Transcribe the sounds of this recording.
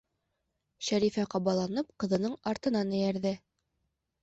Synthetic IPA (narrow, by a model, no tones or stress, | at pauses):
ɕæɾifæqɑbɑlˠɑnɤp̚qɤ̆ðɤ̆nɤɴɑɾt̪ɤ̆nɑnɘ̆jæɾðɘ